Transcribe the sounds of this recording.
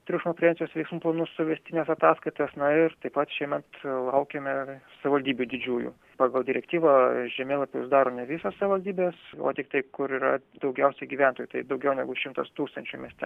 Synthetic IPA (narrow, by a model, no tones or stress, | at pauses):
t̪ʲɾʲɪʃmoːpʲɾʲɛnʲt͡ssʲɪjoːsʋʲɛɪksmuːplˠɐnʊssʊʋʲɛsʲt̪ʲɪnʲeːsɐt̪ɑːskɐɪt̪ɐsnɐɪrt̪ɐɪpɐt̪ʃʲiɛmʲɛt̪lˠɐʊkʲemʲɛsɐʋʲɪʋɐlʲd̪ʲiːbʲud̪ʲɪd͡ʒʲuːjṵː | pɑːɡɐlˠd̪ʲɪɾʲɛkt̪ʲiːʋɐʒʲɛmʲeːlˠɐpʲojʊzd̪ɑːɾoːnʲɛʋʲɪsossɐʋʲɪʋɐlʲd̪ʲiːbʲeːso̰ːt̪ʲɪk̚t̪ɐɪkʊɾiːɾɐ̰d̪ɐʊɡʲɛʊsʲɛɪɡʲiːʋʲæˑnt̪oːjuːt̪ɐɪd̪ɐʊɡʲɛʊnʲɛɡʊʃʲɪmt̪ɐst̪uːkst̪ɐnʲt͡ʃʲuːmʲiɛsʲt̪ʲɛ